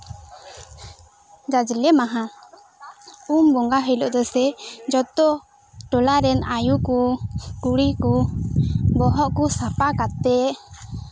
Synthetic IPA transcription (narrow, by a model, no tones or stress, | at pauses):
d͡ʒad͡ʒlɛmaɦã | umbɔŋɡaɦəjlɔʔd̪ɔsɛd͡ʒɔt̪ɔ | ʈɔlaɾɛnajukukuɽiku | bɔɦɔʔkusapakat̪ːɛ